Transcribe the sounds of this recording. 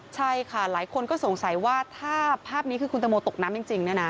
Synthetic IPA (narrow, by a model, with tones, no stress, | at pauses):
t͡ɕʰa˥˩jkʰa˥˩laː˨˩˦jkʰo˧nkɔː˥˩so˨˩˦ŋsa˨˩˦jwaː˥˩t̪ʰaː˥˩pʰaː˥˩p̚niː˦˥kʰɯː˧kʰu˧nt̪a˧moː˧t̪o˨˩k̚naː˦˥mt͡ɕi˧ŋt͡ɕi˧ŋn˦˥ɐna˦˥